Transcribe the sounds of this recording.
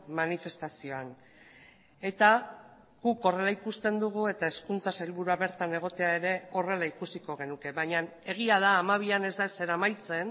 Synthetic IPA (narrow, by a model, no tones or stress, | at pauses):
manife̞st̪asio̞an | e̞t̪a | ɣuko̞re̞laikust̪e̞nd̪uɣ̞ue̞t̪ae̞skunt͡sasalβuɾuaβe̞ɾt̪ane̞ɣ̞o̞t̪e̞ae̞ɾe̞o̞re̞laikusiko̞ɣ̞e̞nuke̞βaɲan | e̞ɣ̞iaðaːmaβ̞iane̞zd̪ase̞ɾamajt͡se̞n